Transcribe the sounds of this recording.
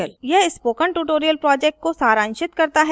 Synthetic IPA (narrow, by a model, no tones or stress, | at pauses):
əljɛɦɪspoːkəɳʈuːʈoːɾijəlpɾɔːd͡ʒɛk̚ʈ̚kosaːɾãːnʃɪt̪kɐɾt̪aɦɛ